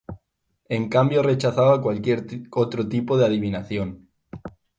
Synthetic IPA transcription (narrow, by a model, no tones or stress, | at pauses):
eŋkambjore̞t͡ʃaθaβakwalkjeɾot̪ɾot̪ipoð̞eaðiβinaθjon